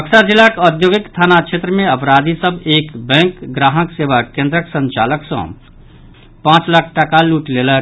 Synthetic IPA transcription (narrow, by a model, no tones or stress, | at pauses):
pəksad͡ʒilːakɔd̪joːɡikst̪ʰaːnakʃʰeːt̪ɾəmẽəpɾaːd̪ʱisəbeːkbɛ̃ːŋkɡɾaːɦəkseːʋakẽːnd̪ɾəksə̃nt͡ʃa̰ːləksɔ̰̃ | pãːt͡ʃləkʰʈakaluːʈlelə